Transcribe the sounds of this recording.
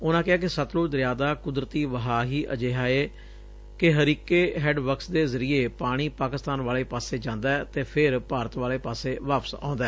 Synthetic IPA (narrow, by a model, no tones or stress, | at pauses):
ʊnãːkɪɦaːk̬ɪsət̪loːd̪ɾjaːd̪aːkʊd̪ɾət̪iːʋəɦaːɦiːʔə̰d͡ʒeːɦaːeː | kɪɦəɾiːkeːɦɛːɖbəksd̪eːzəɾieːpaːɽ̃iːpaːkɪst̪aːnʋaːleːpaːseːd͡ʒãːnd̪aːɛt̪eːpʰɪɾpaːɾət̪ʋaːleːpaːseːʋaːpə̥sã̰ːnd̪aɛː